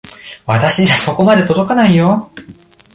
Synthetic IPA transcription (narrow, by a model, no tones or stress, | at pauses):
βat̪aɕiaso̞ko̞mad̪e̞t̪o̞d̪o̞kanaijo̞